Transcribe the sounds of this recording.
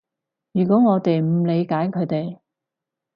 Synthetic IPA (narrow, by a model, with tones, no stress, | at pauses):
jyː˨˩kɔː˨˥ŋɔː˨˧t̪e˨jm̩˨˧˩le˨˧jkaː˨˥jkʰɵ˨˧ɥt̪e˨j